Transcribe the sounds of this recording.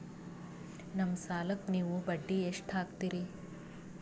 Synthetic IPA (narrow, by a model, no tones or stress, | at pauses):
nɐmsaːlɐkniːʋubɐɖːieʂʈʰaːkt̪iɾi